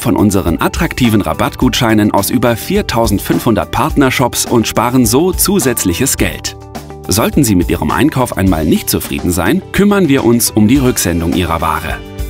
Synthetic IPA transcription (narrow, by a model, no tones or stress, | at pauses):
fɔnʔʊnzəʁənʔatʁ̥aktʰiːvn̩ʁa̰batɡ̥uːtʃaɪnənʔa̰ʊsʔyːbɐfiːɐtʰaʊzn̩tfʏnfhʊndɐ̰t̚pʰaɐtnɐʃɔpsʊntʃpaːʁənzoːt͡suːzɛt͡slɪçəsɡ̥ɛ̰lt | z̥ɔltn̩ziːmɪtʔiːʁəmʔa̰ɪnkʰaʊfʔa̰ɪnma̰ːlnɪçt̚t͡sufʁ̥ḭːdn̩za̰ɪnkʰʏmɐnviːɐʔʊnsʊmdiːʁʏkz̥ɛndʊŋʔiːʁɐ̰va̰ːʁə̰